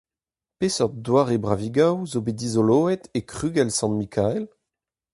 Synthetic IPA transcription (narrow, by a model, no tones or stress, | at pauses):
pesɔʁdwaːʁebʁaviɡawzobed̪izoloːɛt̪ekʁyːɡɛlsɑ̃nmikʰaɛl